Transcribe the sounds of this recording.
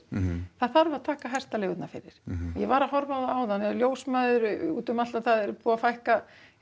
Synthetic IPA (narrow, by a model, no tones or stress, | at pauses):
θaðθaɾvaðt̪ʰaːkaɦajr̥t̪alɛːɣʏt̪nafɪ̰ɾɪ̰ɾ̥ɔjɛvaːɾaɦɔɾvawðaaːwðanːɛljoːwsmaðʏɾʏṵːt̪ʏmaaðθaðɛɾpuːafajhka